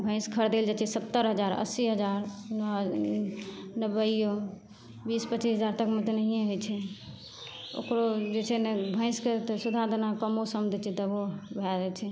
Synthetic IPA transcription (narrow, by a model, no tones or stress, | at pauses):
bʱə̃ɪ̃skʰəɾd̪eld͡ʒat͡ʃʰɛsət̪ːəɾɦəd͡ʒaɾə̰siɦəd͡ʒaɾnɔɦ | nəbəjjo | bispət͡ʃːisɦəd͡ʒaɾt̪əkmet̪nəɦijẽɦojt͡ʃʰɛ | o̰kɾod͡ʒet͡ʃʰɛnbʱə̃ɪ̃sket̪əsud̪ʱad̪ənakəmosəmd̪ʱɛt͡ʃʰɛt̪əbobʱɛd͡ʒɛt͡ʃʰɛ